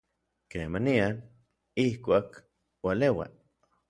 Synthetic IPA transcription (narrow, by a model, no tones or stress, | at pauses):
kemanian | ihkʷaːk | walewa̰